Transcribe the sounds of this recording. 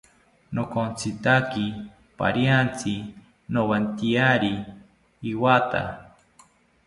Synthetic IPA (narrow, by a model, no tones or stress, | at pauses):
nokont͡sʰit̪aki | pa̰ɾjant͡si | nowant̪iaɾiː | wat̪a̰